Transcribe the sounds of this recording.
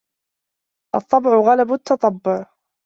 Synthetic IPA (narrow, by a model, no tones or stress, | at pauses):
ʔɑt̪ˤːɑbʕʊɣalabʊt̪ʰːɑt̪ˤɑbːʊʕ